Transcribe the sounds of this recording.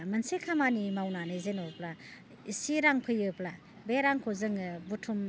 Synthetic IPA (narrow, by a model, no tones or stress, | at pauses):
mɯnsekʰamanimawnanɯzenɔpla | isiɾaŋpʰɯjɯpla | beɾaŋkʰozɯŋɯbutʰum